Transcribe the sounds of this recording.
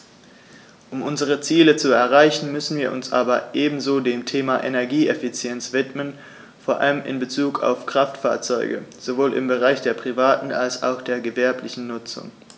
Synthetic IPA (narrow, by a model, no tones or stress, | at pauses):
ʔʊmʔʊnzəʁət͡siːlət͡suɛɐʁaɪçn̩mʏsn̩viːɐʔʊ̰nsʔa̰ːbɐʔeːbm̩zoːdeːmtʰeːmaʔḛnɛɐɡiːɛfit͡sjɛnt͡sv̥ɪtmən | foːɐʔa̰ləmʔɪ̰nbət͡suːkʰa̰ʊfkʁ̥aftfa̰ːɐt͡sɔʏɡə̰z̥ovoːlʔɪ̰mbəʁaɪçd̥eːɐpʁ̥ivaːtn̩a̰lsa̰ʊxd̥eːɐɡəvɛɐplɪçn̩nʊt͡sʊ̰ŋ